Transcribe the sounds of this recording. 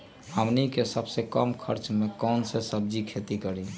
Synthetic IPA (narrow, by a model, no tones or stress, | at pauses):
əmnikesəbsekəmkʰəɾt͡ʃmekɔnsesəb̚d͡ʒikʰet̪ikəɾĩ